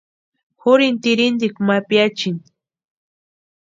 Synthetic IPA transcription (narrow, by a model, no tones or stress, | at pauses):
xʊɾɪnt̪ɪɾɪnd̪ɪkmapjat͡ʃɪŋ